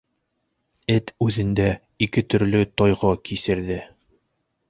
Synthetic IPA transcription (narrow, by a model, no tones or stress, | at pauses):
ɘt̪ʉðɘ̆nd̪æ | ikɘt̪ɵ̆ɾlɵt̪ɒjʁɑkisɘ̆ɾðɘ